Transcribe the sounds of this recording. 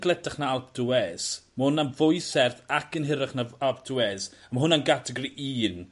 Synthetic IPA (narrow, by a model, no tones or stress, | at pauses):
ɡ̥lˠɛdaχnaalˠp̚d̥uɛsməhʊnanvʊjsɛrθakʰənɦɪɾaχnaalˠp̚ʰd̥uɛs | məɦʊnanɡatʰəɡɔɾiʔiːn